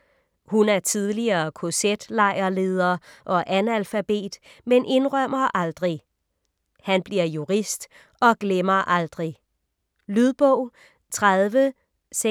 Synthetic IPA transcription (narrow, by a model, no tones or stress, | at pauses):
hunæɐt͡sʰiðˠliɐːkʰo̝sed̥lɑ̈ɪ̰ɐle̝ːð̞ˠɐʔɒ̽ʔænælfæb̥e̝̰ːd̥menʔe̝nʁɶm̰ɐʔɑld̥ʁi | hænb̥liɐ̰juʁisd̥ | ɒ̽ɡ̥lemɐʔɑld̥ʁi | lyðˠb̥ɔʊ̰ | t͡sʰʁaðˠʋə | se